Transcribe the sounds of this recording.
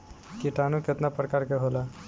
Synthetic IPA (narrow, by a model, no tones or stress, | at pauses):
kiʈanuket̪napɾəkaɾkeɦola